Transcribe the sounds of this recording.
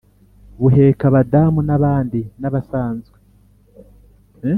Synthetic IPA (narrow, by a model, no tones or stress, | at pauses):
βuɦe̞ːkaβadamunaβaːndinaβasaːnzɡe